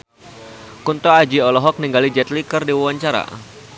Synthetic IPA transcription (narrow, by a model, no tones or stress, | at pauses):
kunt̪ɔad͡ʒiɔlɔɦɔk̚niŋɡalid͡ʒɛt̪likərdiwuwaɲt͡ʃaɾa̰